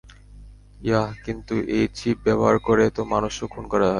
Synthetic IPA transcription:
jaɦkint̪uʔejt͡ɕʰip̚bɛboɦaɾkoɾet̪omanuʃokʰunkɔɾaɦɔ

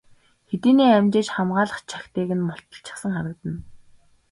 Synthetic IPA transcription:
xet̪iːniːæmt͡ɕeːt͡ɕχamɢaːɮə̆χt͡ɕʰḁxt̪eːɣɘ̆nmɔɬt̪ɞ̥̆ɬt͡ɕɪ̆sə̆ŋχaɾə̆kt̪ə̆n

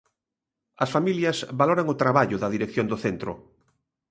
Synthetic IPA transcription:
ɐsfamiljɐsβaloɾɐŋʊt̪ɾaβaʎʊðɐðiɾekθjond̪oθent̪ɾʊ̰

